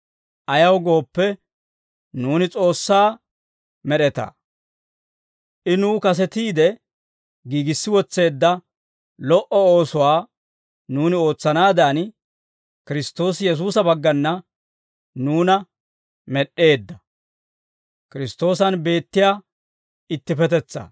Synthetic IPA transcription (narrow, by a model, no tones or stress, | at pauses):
ʔɐjɐwɡo̞ːpːɛ | nuːnɪt͡sʼo̞ːsːaː | mɛɗɛt̪ɐ̰ː | ʔɪnuːkɐs̬ɛt̪iːd̪ɛ | ɡiːɡɪsːɪwɔt͡sːe̞ːd̪ːɐ | lɔʔɔo̞ːsʊwaː | nuːnɪo̞ːt͡sːɐnaːd̪aːn | kɪɾɪst̪ːo̞ːsjɛs̬uːsɐbɐɡːɐnːɐ | nuːnɐ | mɛɗe̞ːd̪ːɐ | kɪɾɪst̪ːo̞ːs̬ɐnbe̞ːt̪ːɪjaː | ɪt̪ːɪpɛt̪ɛt͡sːa̰ː